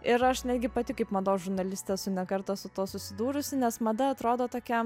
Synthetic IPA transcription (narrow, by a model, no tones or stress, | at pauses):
ɪɾɐʃnʲæːd̪ʲɡʲɪpɐt̪ʲɪkɐɪpmɐd̪oːsʒʊɾnɐlʲɪsʲt̪ʲeːsʊnʲɛkɐɾt̪oːsʊt̪uɔsʊsʲɪd̪uːɾʊsʲɪnʲɛsmɐd̪ɐɐt̪ɾoːd̪oːt̪oːkʲɛ